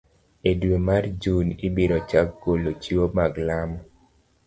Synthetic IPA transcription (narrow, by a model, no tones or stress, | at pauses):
edwemard͡ʒunibeɾɔt͡ʃakːolot͡ʃiwomaɡlamɔ